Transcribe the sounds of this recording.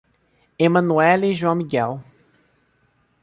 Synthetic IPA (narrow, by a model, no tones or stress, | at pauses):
emɐ̃nuɛliʒwɐ̃w̃miɡɛl